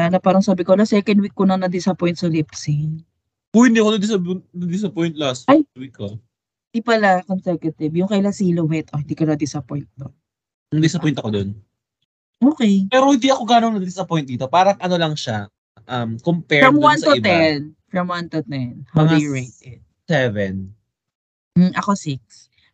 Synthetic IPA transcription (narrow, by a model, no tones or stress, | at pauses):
anɐpaːɾɐŋsaːbɪkolast̪ːɛkɐnd̪̚wikːonɐŋnɐd̪ɪsɐpɔjnt̪sɐlɪpsɪŋ | ʊhɪnd̪iːɐkonɐd̪ɪsɐnɐd̪ɪsɐpɔjnt̪̚last̪ʔajwikːo | d̪ipɐlakɔnsɛkɐt̪ɪbjʊŋkɐʔɪlasiːlowɛt̪ʔohɪnd̪iːkɐnɐd̪ɪsɐpojnt̪̚d̪o | nɐd̪ɪsɐpɔjnt̪ɐkod̪on | ʔoːkɛjpɛːɾohɪ̃nd̪iʔɐkoɡaːnoŋnɐd̪ɪsɐpɔjn̚d̪iːt̪opaːɾɐŋʔɐno̞lɐŋʃa | ʔɐmkompɛɹɹɐmwansɐʊɪb̪ɛanfɹɐmwant̪ʊt̪ɛnhawd̪ejɹejt̪ɛd̪̚ | sɛvɛn | ʔɐkosik̚s